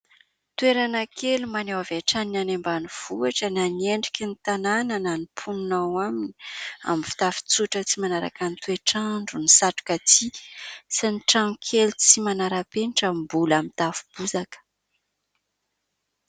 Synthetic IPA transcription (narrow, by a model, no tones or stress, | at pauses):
t̪uweɾanəkʰelumanewaveʈ͡ʂaninanembanuv̥uaʈ͡ʂənanieɳɖ͡ʐikʲinit̪ananananipʰununawaminia̰mfi̥t̪afi̥t͡suʈ͡ʂət͡simanaɾa̰kanit̪ueʈ͡ʂaɳɖ͡ʐunisaʈ͡ʂu̥kat͡sisaniʈ͡ʂaŋukʰelt͡simanaɾapenʈ͡ʂəmbulamit̪afu̥b̥uzakə̥